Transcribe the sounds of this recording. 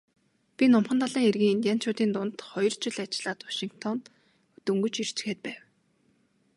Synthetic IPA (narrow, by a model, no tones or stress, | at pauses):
pʲinʊmχə̆nt̪ʰaɮaːŋerɣiːŋint̪ʲjan̥t͡ɕʰʊːt̪iːnt̪ʊnt̪χɔjɞ̆r̥t͡ɕɪ̆ɮat͡ɕɪɮaːt̪wḁʃiŋkt̪ʰɔn | ɵt̪ɵ̆ŋɡɵ̆t͡ɕir̥t͡ɕ̆xeːt̪̚pæːw